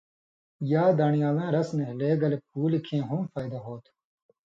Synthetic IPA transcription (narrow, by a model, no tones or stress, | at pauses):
jaːd̪aːnijaːzãːɾɐsneleːɡɐlep̚uːlikʰẽːɦũmfaːjd̪ɐɦoːt̪ʰ